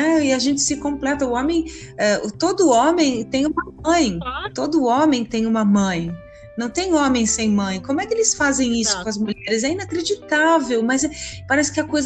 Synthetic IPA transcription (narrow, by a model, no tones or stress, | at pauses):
ɛɪaʒẽnt͡ʃɪ̥sɪkõplɛt̪ɐʊõmẽj̃ɛʔʊt̪od̪ʊõmẽj̃t̪ẽj̃ũmɐmɐ̃j̃t̪od̪ʊõmẽj̃t̪ẽj̃ũmɐmɐ̃j̃ | nɐ̃w̃t̪ẽj̃õmẽj̃sẽj̃mɐ̃j̃kõmʊɛkɪelɪsfazẽj̃isʊ̥kõɐzmuʎɛɾɪzɛĩnakɾed͡ʒit̪avewmɐzɛpaɾɛsɪ̥kɪɐkojz